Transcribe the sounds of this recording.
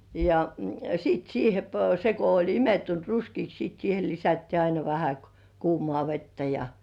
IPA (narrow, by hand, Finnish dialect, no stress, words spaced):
jɑ siːt siːhe p se ko olʲ imetːunt ruskiːks siˑt siːhe lisætːiː ɑinɑ ʋæhæ kŭ kuːmŏɑˑ ʋetːæ jɑ